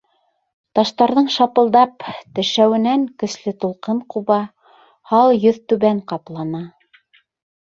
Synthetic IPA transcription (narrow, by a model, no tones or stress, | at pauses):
t̪ɑʃt̪ɑɾðɤɴʃɑpɤ̆lˠd̪ɑpt̪ɘ̆ʃæwɘ̆næŋkɵ̆slɘt̪ulˠqɤɴquβɑ | hɑlˠjɵðt̪ʉβæɴqɑplˠɑnɑ